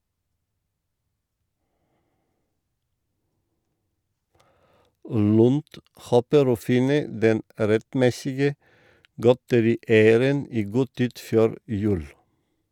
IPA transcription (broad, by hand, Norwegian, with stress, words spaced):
ˈlʉnd ˈhoːpəɾ ˈoː ˈfɪnə ˈdɛn ɾɛtˈmɛsɪɡə ˈɡɔtəɾiːˌæɪəɾən ˈiː ˈɡuː ˈtiːd ˈføːɾ ˈjʉːl